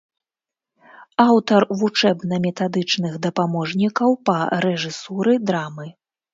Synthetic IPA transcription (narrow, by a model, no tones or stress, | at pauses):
awt̪ɐrvut͡ʂɛbnɐmʲɛt̪ad̪ɨt͡ʂn̪ɨɣd̪ɐpamɔʐnʲikɐwpɐɾɛʐɨsuɾɨd̪ɾamɨ